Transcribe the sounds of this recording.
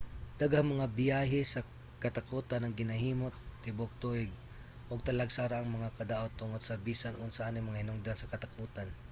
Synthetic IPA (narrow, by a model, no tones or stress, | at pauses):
d̪̥aɡahaŋmɐŋabɪjaːɦɪsɐ | kɐt̪akuːt̪anɐŋɡɪnɐɦiːmot̪ːɪbʊk̚t̪uʔɪɡ̚ | ʔʊɡ̚t̪ɐlaɡsaːɾaʔːŋmɐŋakɐd̪aʔot̪ːʊŋod̪sɐbiːsanʔʊ̰ʔnsɐʔaːnɪjmɐŋahɪnʊŋd̪ansɐkɐt̪akuːt̪an